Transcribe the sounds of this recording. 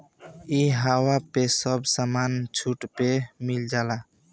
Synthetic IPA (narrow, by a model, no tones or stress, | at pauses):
iɦawapesʌbsamant͡ʃʰuʈpemild͡ʒala